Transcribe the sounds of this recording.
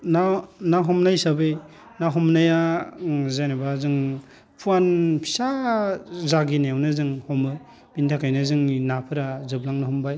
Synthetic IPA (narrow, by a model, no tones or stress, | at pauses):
nanaɦɔmnajsabɯj | naɦɔmnaja | zajnabazɯŋ | pʰuanpʰi̥sa | zaɡinajawnɯzɯŋhɔmɯ | b̥intʰakʰajnɯzɯŋinapʰɯɾazɯblaŋnɯhɔmbaj